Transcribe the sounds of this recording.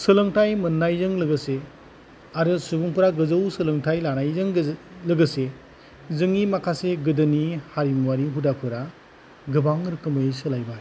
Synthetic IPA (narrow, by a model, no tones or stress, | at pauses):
sɯlɯŋtʰajmɯnːajzɯŋlɯɡɯse | aɾɯsubuŋpuɾaɡɯzɯwsɯlɯŋtʰajlanajzɯŋlɯɡɯse | zɯŋimakʰaseɡɯdɯnihaɾimwaɾiɦudakʰɯɾa | ɡɯbaŋɾɯkʰɯmɯjsɯlajba